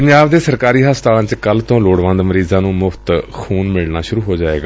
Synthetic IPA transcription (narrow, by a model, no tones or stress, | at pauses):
pəɲd͡ʒaːbd̪eːsəɾkaːɾiːɦaːst̪ãːnt͡ʃkəlt̪õːloːɽʋə̃nd̪məɾiːzãːnũːmʊfʰt̪xʰuːnmɪɭnaːʃʊɾuːɦoːd͡ʒaːḛːɡaː